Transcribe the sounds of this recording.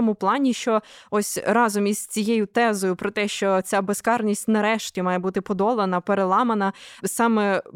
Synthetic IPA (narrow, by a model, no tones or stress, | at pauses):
ɔmʊplˠɑnʲiʃt͡ʃɔɔsʲrɑzɔmiz̥t͡sʲijɛjʊt̪ɛzɔjʊpɾɔt̪ɛʃt͡ʃɔt͡sʲabeskɑrnʲisʲtʲnɐɾɛʃtʲimɑjebut̪ɪpɔd̪ɔlˠenɐpeɾelˠɑmɐnɐsɑmɛ